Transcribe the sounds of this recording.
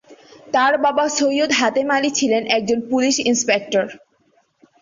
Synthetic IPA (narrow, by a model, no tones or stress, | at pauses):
t̪aɾbabasojjod̪ɦat̪emalit͡ɕʰilenʔɛk̚d͡ʑonpuliʃinspek̚ʈoɾ